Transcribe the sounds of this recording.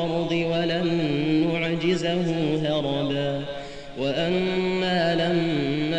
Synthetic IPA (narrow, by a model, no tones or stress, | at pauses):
ɾˤd̪ˤɨwalanːʊʕd͡ʒɪzhʊːɦɑɾˤɑbaː | waʔanːaːlamːa